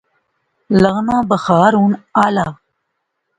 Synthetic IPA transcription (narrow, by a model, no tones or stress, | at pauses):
ləɣnãːbəxɑːɾunala